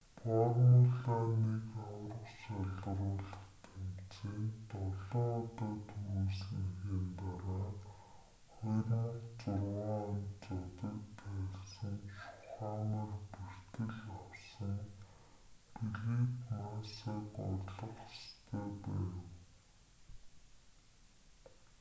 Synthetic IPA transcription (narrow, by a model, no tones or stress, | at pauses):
pɔɾəŋʊɮaːnikawrə̆kʃaɮə̆rʊːɮə̆χt̪ʰemt͡siːnt̪ɔɮɔŋɔt̪aːt̪ʰuɣuːsneɣiːnt̪aɾaː | χɔjrŋt͡sʊrwaːnt͡sʊt̪ə̆kp̪æːɮsə̆ŋʃʊ̥χaːmə̆rper̥t̪ɘ̆ɮawsə̆ŋ | piɮeːkmasaːkɔ̰ɮə̆χast̪ʰæːpæ̰ːw